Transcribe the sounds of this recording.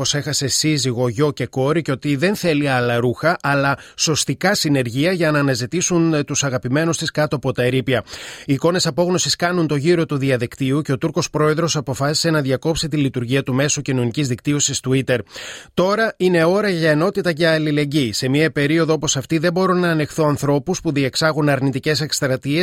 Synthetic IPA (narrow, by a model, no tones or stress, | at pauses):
ose̞xɐse̞siziɣo̞ʝo̞ce̞ko̞ɾice̞o̞t̪iðe̞nθe̞liɐlɐɾuxɐʔɐlɐso̞st̪ikɐsine̞ɾʝiɐʝɐnɐːnɐzit̪isunt̪usɐɣɐpime̞nust̪iskɐt̪oɐpo̞t̪ɐeɾipiɐiːko̞ne̞sɐpo̞ɣno̞siskɐnunt̪o̞ʝiɾo̞t̪uðiɐðikt̪iuce̞o̞t̪uɾko̞spɾo̞e̞ðɾo̞sɐpo̞fɐsi̥se̞nɐðʝɐko̞pset̪ilit̪uɾʝiɐt̪ume̞socino̞nicizðikt̪io̞sist̪uit̪e̞ɾt̪o̞ɾɐine̞o̞ɾɐʝɐeno̞t̪it̪ɐʝɐːlile̞ɲɟise̞miɐpe̞ɾio̞ðo̞o̞po̞sɐft̪iðe̞bo̞ɾonɐːne̞xθoɐnθɾo̞puspuðie̞ksɐɣunɐɾnit̪ice̞se̞kst̪ɾɐt̪ie̞s